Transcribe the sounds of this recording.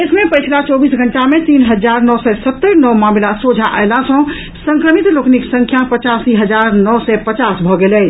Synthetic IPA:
esmẽpəjt͡ʃʰlat͡ʃɔbisɡʱəɳʈamet̪inɦəd͡ʒaɾnɔsɛsət̪ːəɾnɔmamlasod͡ʒʱaʔa̰jlasə̃ | sə̃ŋkɾəmit̪lokniksə̃ŋkʰjapət͡ʃasiɦəd͡ʒaɾnɔsɛpət͡ʃasbʱɔɡelɛj

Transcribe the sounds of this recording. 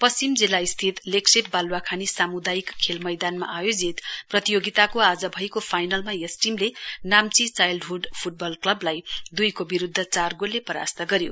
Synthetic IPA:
pʌst͡simd͡zilːaist̪ʰit̪leksep̚balwakʰanisamud̪ajikʰːelmʌjd̪anma̰ʔajod͡zit̪prʌt̪ijoɡit̪akoad͡zʌbʱʌjkopʰajnʌlmajesʈimlenamt͡sit͡sajlɖɦuɖpʰuʈ̚bʌlklʌblajd̪ujkobiɾud̪ʱːʌt͡sarɡolːepʌɾa̰st̪ʌɡʌɾjo

